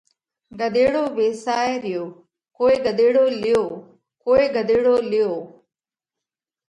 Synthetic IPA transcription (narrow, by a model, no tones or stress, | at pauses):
ɡəd̪eːɽoːʋeːsaːeɾɪjoː | koːeːɡəd̪eːɽoːlɪjoː | koːeːɡəd̪eːɽoːlɪjoː